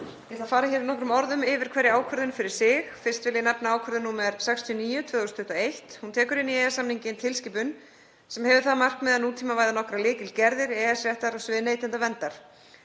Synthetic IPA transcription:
jɛθafaːɾaçɛːɾɪɾnɔhkɾʏmɔɾðʏmɪvɪɾ̥kʰvɛːɾɪaːwkʰœɾðʏnfɪɾɪɾ̥sɪxfɪrst̪vɪlɪnapnaaːwkʰœɾðʏnuːmɛɾsɛkst̪ʰiɔniːjʏt̪ʰvœːðɔst̪ʰʏht̪ɔejht̪hunt̪ʰɛːkʏɾɪnːiɛːjasamniɲcɪnt̪ʰɪlscɪːpʏn | sɛmhɛvʏθaðmar̥kmɛːðanuːt̪ʰiːmavaːjðanɔhkɾalɪːcɪlcɛɾðɪɾɛɛsɾjɛht̪aɾɔsvɪðnejt̪ɪnt̪avɛnt̪aɾ̥

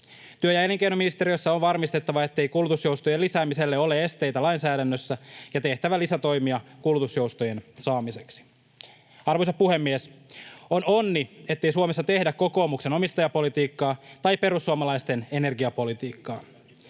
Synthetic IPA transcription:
t̪yøjæeliŋkejnominist̪e̞ɾiosːɑonʋɑrmist̪e̞t̪ːɑʋɑe̞t̪ːe̞jkulːut̪usjo̞wst̪ojelisæːmise̞lːeo̞lee̞st̪e̞jt̪ælɑjnsæːdænːøsːæjɑt̪e̞ht̪æʋælisæt̪o̞jmiɑkulːut̪usjo̞wst̪o̞je̞nsɑːmise̞ksi̥ | ɑrʋoisɑpuhe̞mːieso̞no̞nːie̞t̪ːe̞jsuomesːɑt̪ehdækko̞ko̞ːmukse̞no̞mist̪ɑjɑpo̞lit̪iːkːɑːt̪ɑjppe̞ɾusːuɑmɑlɑjst̪e̞ne̞ne̞rɡiɑpo̞lit̪iːkːɑː

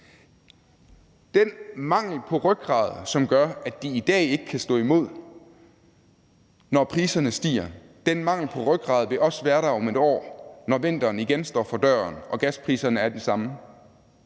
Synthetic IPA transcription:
d̥enmɑ̈ŋ̰l̩pʰɒ̽ʁœɡ̥̚ʁɑ̰̈ːð̞ˠsɒ̽mɡ̥ɶɐæd̥iːd̥ɛ̰ːe̝ɡ̥ə̥kʰæsd̥ɔ̰̽ːimo̝ð̞̰ˠ | nɒpʰʁiːsɐnəsd̥ḭːɐ | d̥enmɑ̈ŋ̰l̩pʰɒ̽ʁœɡ̥̚ɡ̥ʁɑ̈ːð̞ˠʋe̝ʔɒ̽səʋæːɐɾɑ̈ɪɒ̽me̝d̥ɒ̰ːnɒʋe̝n̰d̥ɐːn̩iɡ̥ensd̥ɒ̰ːfɒ̽d̥ɶːɐnɒ̽ɡ̥æspʰʁḭːsɐnəæɐd̥esɑ̈mə

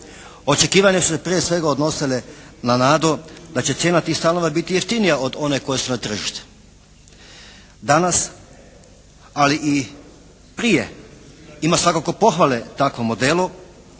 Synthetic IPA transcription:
o̞t͡ʃe̞kiːʋaɲesu̥sepɾijesʋe̞ɡaod̪no̞silenanaːd̪od̪at͡ɕe̞t̪sjeːnat̪iːxst̪ano̞ʋabit̪ijeft̪inijao̞d̪o̞ne̞ko̞je̞sunat̪r̩ʒiʃt̪e̥ | d̪anas | aliʔi | pɾije̞̰ | imasʋakako̞po̞xʋalet̪akʋomo̞d̪elo

